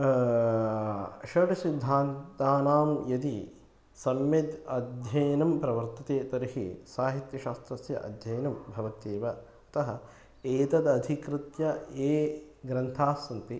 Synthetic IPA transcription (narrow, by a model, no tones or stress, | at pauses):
ʃɐʈɐsid̪ʱːaːnt̪aːnaːmjɐd̪i | sɐmjɐd̪ɐd̪ʱjɐjnɐmpɾɐʋɐɾt̪ɐt̪eːt̪ɐɾihḭsaːɦit̪jɐʃaːst̪ɾɐsjɐ̰ʔɐ̰d̪ʱjɐjnɐmbʱɐʋɐt̪eːʋɐ | ɐt̪ɐɦɐ̆ | eːt̪ɐd̪ɐd̪ʱikɾɨt̪jɐeː | ɡɾɐnt̪ʰaːsɐnt̪i